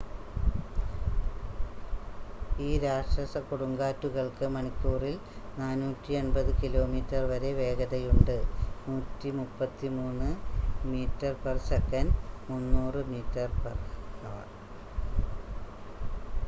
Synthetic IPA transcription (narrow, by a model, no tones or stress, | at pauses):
iːɾaːʂʈrɐsɐkuɽuŋɡaːtːuɣɐɭkɨmɐɳikʲːuːril | naːnuːtːienbɐðɨkilo̞ːmiːtːɐrʋɐɾe̞ʋe̞ːɡɐðɐjuɳɖɨnuːtːimupːɐt̪ːimuːnːɨmiːtːɐrpersekːɐnmunːuːrɨmiːtːɐrperɐʋɐ̰